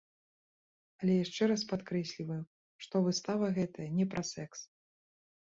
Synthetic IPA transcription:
ɐlʲɛjaʂt͡ʂɛɾaspat̪kɾɛsʲlʲivɐju | ʂt̪ɔvɨst̪avɐɣɛt̪ɐjɐnʲɛpɾʔasɛks

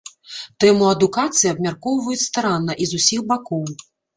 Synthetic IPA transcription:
t̪ɛmuɐd̪ukat̪sɨjiɐbmʲarkɔwvɐjut͡sʲst̪aɾanːɐʔizusʲixbakɔw

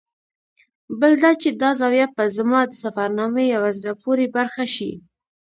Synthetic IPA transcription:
bəld̪at͡ʃed̪ɑzɑwjapəzmɑd̪əsafaɾnɑməjawazɾapoɾebaɾxaʃi

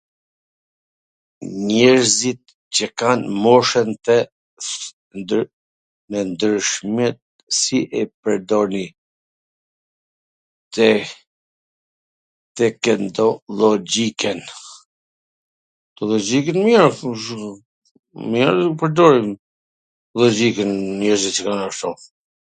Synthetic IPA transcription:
ɲɛɾzit̪̚ | t͡ɕəkanmɔʃɛnt̪ɛ | mɛnd̪ɾəʃmɛt̪̚ | siʔɛpəɾd̪ɔni | t̪ɛ | t̪ɛkɛnd̪ɔlɔd͡ʒikɛn | t̪ɔlɔd͡ʒikɛnmjɛɾ | mjɛɾpəɾd̪ɔɾim | lɔd͡ʒikɛnmɛɾzitt͡ʃəkanaʃt̪ɔ

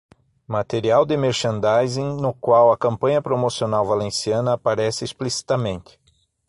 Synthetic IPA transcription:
mat̪eɾiawd̪ɪmeɾʃɐ̃nd̪ajzẽnʊkwawɐkɐ̃mpɐ̃ɲɐpɾomosionawvalẽsiɐ̃nɐːpaɾɛsɪisplisi̥t̪amẽnt̪ɪ̥

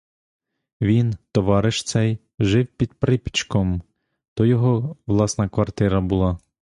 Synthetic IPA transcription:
ʋʲint̪ɔʋɑɾɪʃt̪sɛj | ʒɪwpʲid̪pɾɪpʲi̥t͡ʃkɔm | t̪ɔjɔɦɔʋlˠɑsnɐkʋɐrt̪ɪɾɐbʊlˠɑ

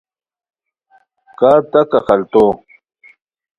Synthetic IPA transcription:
kaːɾt̪akaxɐlt̪o

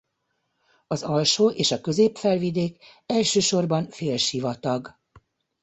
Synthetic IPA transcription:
ɒzɒlʃoːʔeːʃɒkø̞zeːpfɛlvid̪eːkɛlʃøːʃo̞rbɒnfeːlʃivɒt̪ɒɡ

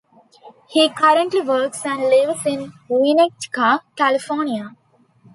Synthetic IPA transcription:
hiːkʌɾə̃ɳʈliʋəːksæ̃ɳɖlɪʋsɪ̃nʋinek̚t͡ʃkakælifɔːnia

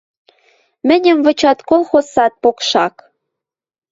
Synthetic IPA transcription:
mɘ̆nʲɘ̆mvɤ̆t͡ɕɑt̪kolˠxosɑt̪̚pokʃɑk

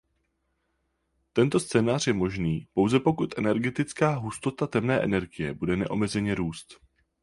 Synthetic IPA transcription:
t̪ɛnt̪o̞st͡sɛːnaːr̝jɛmo̞ʒniːpo̞wzɛpo̞kut̪ʔɛnɛɾɡɛt̪ɪt͡skaːɦust̪o̞t̪at̪ɛmnɛːʔɛ̰nɛɾɡɪjɛbudɛnɛ̰ʔo̞mɛzɛɲɛɾuːst̪

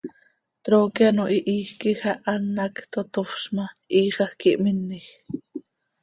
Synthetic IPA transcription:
t̪ɾoːkianoʔiʔiːxkixaʔanːɑkt̪ot̪ofʃmaʔiːχɑxkiʔminːix

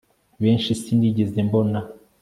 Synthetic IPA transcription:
βeːnʃisiːndiɟezembo̞na

